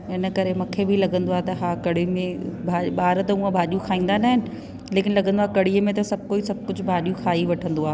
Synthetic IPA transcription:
ɪnə̆kɐɾemɐkʰebilɐɠə̃nd̪oaːet̪ɐɦaːkɐɽimẽbʱaːɓaːɾt̪ɐũə̃bʱaːɗjũkʰaːĩːnd̪anaːɦɪnɪ̆ | leːkɪnlɐɡə̃nd̪oaːekɐɽ̤iəmẽt̪ɐsɐb̚ʱkoːisɐb̚ʱkʊd͡ʑʱʊbʱaːɗijũkʰaːiʋɐʈʰə̃nd̪oaːɦe

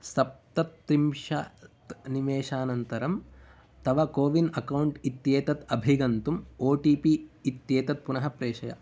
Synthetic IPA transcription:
sɐp̚t̪ɐt̪ːɾimʂɐt̪niʋeːʃaːnɐnt̪ɐɾɐm | t̪ɐʋɐkoːʋinɐkɐwɳʈit̪jeːt̪ɐt̪ɐbʱiɡɐnt̪umoːʈiːpiit̪jeːt̪ɐt̪̚punɐɦɐpɾeːʂɐjɐ̰

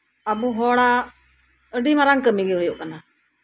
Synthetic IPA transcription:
abuɦɔɽa | əɖimaɾaŋkəmiɡɛɦɔjɔʔkana

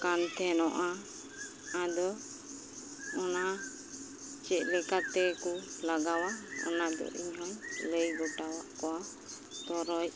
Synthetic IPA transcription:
kant̪ɛnɔʔa | ad̪ɔ | ɔna | t͡ʃɛt̪̚ˀlɛkat̪ɛkulaɡawaɔ̰nad̪ɔ̰ʔiɲɦɔɲləjɡɔʈawaʔkɔwa | t̪ɔɾɔc̚

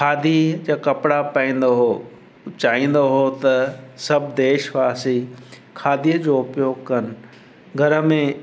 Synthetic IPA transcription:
kʰaːd̪ʱid͡ʑaːkɐpɽapaĩːn̆d̪oɦo | t͡ɕaːĩːn̆d̪oɦot̪ɐsɐbʱd̪eːʃʋaːsi | kʰaːd̪ʱijəd͡ʑoːʊpjoːɡkɐnɪ̆ | ɡʱɐɾə̆mẽ

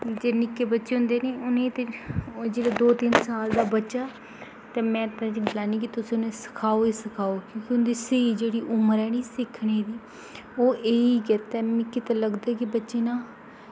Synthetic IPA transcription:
d͡ʒeːnɪkːeːbətːʃeːɦʊ̃nd̪eːneːʊnẽːt̪ed͡ʒeːɽaːd̪oːt̪ɪnsaːld̪aːbətːʃaː | t̪eːmɛ̃ːt̪ãːt͡ʃilaːniːk̬it̪ʊsĩːʊnẽːsɪ̥kʰaːoːeːsɪkʰaːoːkjõːkiʊnd̪iːseiːd͡ʒeːɽiːʔʊməɾɛːniːsɪkʰɳeːd̪iː | oːʔeːiːkɪt̪ɛːmɪ̃ːkːɪːt̪aːləɡd̪ɛːkɪbətːʃeːnãː

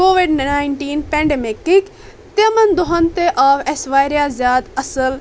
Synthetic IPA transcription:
koːʋiɖnaːiɳʈiːnpɛ̃ɳɖemekɪk | t̪ɐmɐnd̪ʊɦɐnt̪eʔaːʋesʋaːjɾjazjaːd̪ɐsəl

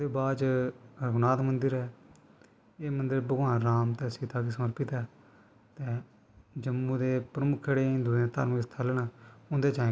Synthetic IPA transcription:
eːbaːt͡ʃɾəɡnaːt̪mənd̪əɾɛː | eːmənd̪əɾbəɡãːɾaːmt̪ɛːsiːt̪ʰaːkiːsəməɾpɪt̪ɛː | t̪eː | d͡ʒəmːuːd̪eːpɾəmʊkʰːəɽẽːnd̪ut̪a̰ːɾməkst̪ʰaːlːnãːʊnd̪eːt͡ʃaː

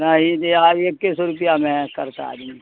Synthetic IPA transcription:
nɐɦĩd̪eaekːɪsɾʊp̬ijamɛ̃kɐɾt̪a̰d̪mi

